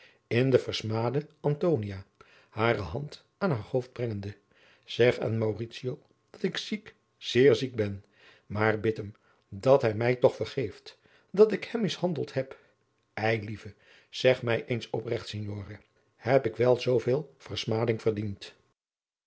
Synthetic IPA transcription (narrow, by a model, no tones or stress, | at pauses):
ɪndəvəɹsmaːdəɑntownijaː | haːrəɦɑnt | aːnɦaːɹhowfd̚brɛŋəndə | z̥ɛχa̰ːnmawritsio | d̥ɑtɪksik | z̥ɪːɹzik̚bɛn | maːrbɪtəm | dɑtɦɛjmɛjtɔχfəɹχejft | dɑtɪkhɛmːɪshɑndəlˠtɦɛp | ɛjlivə | z̥ɛχmɛjʔejnsɔprɛχtsɪnjoːrə | hɛpɪkʋɛlˠzowvɪːlˠv̥əɹsmaːdɪŋv̥əɹdint